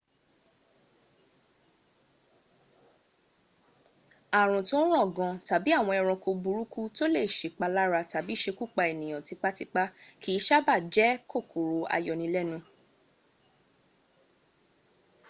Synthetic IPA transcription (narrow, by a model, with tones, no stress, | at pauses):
a˨ɾ̃ũ˨to˦ɾ̃ɔ̃˦˨ɡɔ̃˧ta˨bi˨˦a˦˨w̃ɔ̃˧ɛ˧ɾ̃ɔ̃˧ko˧bu˧ɾu˦ku˦to˦le˦˨ʃe˨k͡pa˧la˦ɾa˧ta˨bi˦ʃe˧ku˦˨k͡pa˧e˨nĩ˨j̃ɔ̃˨ti˨˧k͡pa˦ti˧k͡pa˦kʰi˦ʃa˦ba˦˨d͡ʒɛ˨˦ko˦˨ku˨ɾo˧a̰˧jɔ˨nĩ˧˦lɛ˦nũ˧